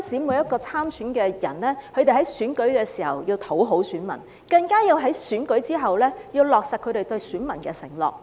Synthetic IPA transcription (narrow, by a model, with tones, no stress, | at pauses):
t͡siː˨˥muː˨˧jɐ˥t̚kɔː˧t͡sʰaː˥msyː˨˥nkɛː˧jɐ̰˨˩nlɛː˥hɵ˧t̪e˨˩ɦɐ˨˥jsyː˨˥nkɵ˨˥ɥkɛː˧siː˨˩hɐ̰˨wjiː˧wt̪ʰo˨˥wɦo˨˥wsyː˨˥nmɐ̰˨˩n | kɐ˧ŋkaː˥jiː˧wɦɐ˨˥jsyː˨˥nkɵ˨˥ɥt͡siː˥ɦɐ˨˩wlɛː˥jiː˧wlɔː˨k̚sɐ˨kʰːɵ˧t̪e˨jt̪ɵ˧ɥsyː˨˥nmɐ˨˩nkɛː˧sɪ̰˨˩ŋlɔ̰ː˨k̚